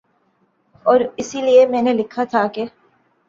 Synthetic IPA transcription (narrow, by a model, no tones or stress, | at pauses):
ɔːɾisiliemeːnelɪkʰːaːt̪ʰaːke